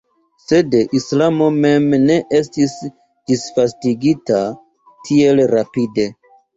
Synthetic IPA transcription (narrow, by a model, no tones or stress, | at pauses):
se̞dʔislamo̞me̞mne̞ʔe̞stis | d̥isfastiɡita | tʰie̞lɾapide̞